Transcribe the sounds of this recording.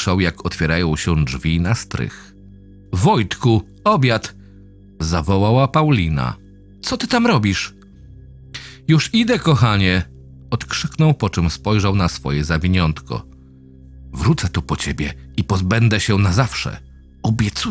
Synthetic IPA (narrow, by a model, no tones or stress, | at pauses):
ʂawjakʰɔt̪fʲjɛɾajɔ̃w̃ɕɛ̃dd͡ʐvʲinast̪ɾɘ̰x | vɔjt̪ku | ɔbʲjat̪ | zavɔwawapawlʲina̰ | t̪sɔt̪ɘt̪amɾɔbʲiʂ | juʂid̪ɛkɔxaɲɛ | ɔt̪kʂɘknɔwpɔt͡ʂɛmspɔjʐawnasfɔ̰jɛzavʲiɲɔnt̪kɔ̰ | vɾut̪sɛt̪upɔt͡ɕebʲjɛipɔzbɛnd̪ɛɕɛnazafʂɛ̰ | ɔbʲjɛt̪su